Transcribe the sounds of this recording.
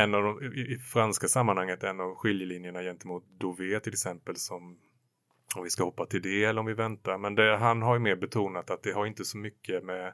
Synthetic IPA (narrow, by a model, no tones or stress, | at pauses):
ɛnːɑvd̪ɔmɪɪfɾanskasamːanhaŋːət̪ɛnːɑvɧɪljəlinjəɳajɛnt̪əmuːt̪̚d̪uveːt̪ʰɪlɛksɛmpəlsɔm | ɔmvɪskahɔpːat̪ʰɪld̪ɛɛlːɔmvɪvɛnt̪aɾmɛnd̪ɛɦanɦaɾjɵmeːɾbɛt̪ʰuːnat̪at̪̚d̪ɛɦaɾɪnt̪əsɔmʏkːəmɛ